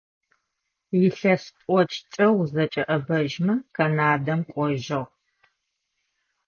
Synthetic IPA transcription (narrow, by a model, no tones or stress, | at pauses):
jɪɬɐstʼʷɔt͡ʃʰʼt͡ʃʼɐwzɐt͡ʃʼɐʔɐbɐʒmɐkʰɐnaːdɐmkʷʼɔʒɐʁ